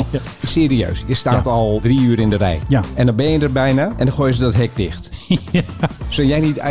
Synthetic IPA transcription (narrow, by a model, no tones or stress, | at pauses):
seːɾiø̰ːsjəstaːtɔlˠdriyːɾɪndərɛ̰jɛndɔnbɛjədərbɛjnaʔɛndɔxoːjəzədɔtɦɛk̚dɪxt | sojɛjnit